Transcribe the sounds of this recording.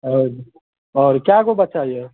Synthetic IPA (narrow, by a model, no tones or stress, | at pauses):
oi | ɔːɾkjakobɐt͡ʃaije